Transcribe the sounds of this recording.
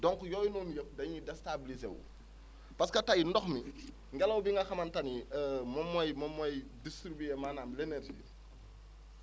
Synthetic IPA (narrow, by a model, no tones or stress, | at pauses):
dɔŋkujɔːjunɔːnjəp̚ːdɐɲidɛstabilizḛwṵ | pɐskɐtɐjndɔxmi | ŋɡɛlɐwbiŋɡɐxɐmɐntɐnimɔmːɔjmɔmːɔjdistɾibujɛmaːnaːmlenerd͡ʒḭ